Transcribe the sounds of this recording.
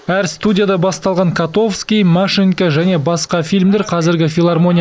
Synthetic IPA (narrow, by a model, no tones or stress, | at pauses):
æɾst̪udʲijad̪ɑbɑst̪ɑlˠʁɑŋkʰat̪o̞fskʲijmaʂiŋkaʒæne̞bɑsqɑfʲilmd̪e̞ɾqʰɑzɪɾɡʲɪfʲilˠarmo̞nʲi